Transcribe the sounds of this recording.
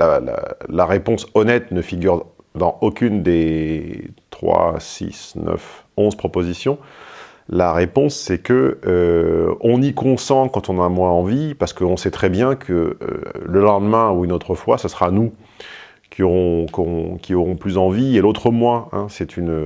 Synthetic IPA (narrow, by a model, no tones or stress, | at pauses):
lala̰laʁepɔ̃sɔnɛt̪nəfiɡʲyʁd̪ɑ̃okʲynd̪e | t̪χwa̰sḭsnœ̰fɔ̃zpχɔpozisjɔ̃ | laʁepɔ̃sːɛkəøɔ̃nikɔ̃sɑ̃kɑ̃t̪ɔ̃namwɛ̃ɑ̃vipaʁsə̥kəɔ̃sɛt̪χɛbjɛ̃kʰəø̰ləlɑ̃d̪mɛ̃uynot̪χəfwasəsəʁanu | kʲʰiɔʁɔ̃kɔɔ̃kʲʰiɔʁɔ̃plyzɑ̃vielot̪χəmwaɛ̃sɛt̪ʰynø